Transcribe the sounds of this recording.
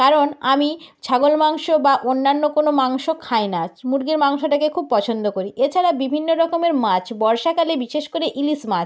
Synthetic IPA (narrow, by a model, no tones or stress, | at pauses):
kaɾonamit͡ɕʰaɡolmaŋʃobaʔonːanːokonomaŋʃokʰaenamuɾɡeɾmaŋʃoʈakekʰub̚pɔt͡ɕʰond̪okoɾiʔet͡ɕʰaɾabibʱinːoɾɔkomeɾmat͡ɕʰbɔɾʃakalebiʃeʃkoɾeʔilismat͡ɕ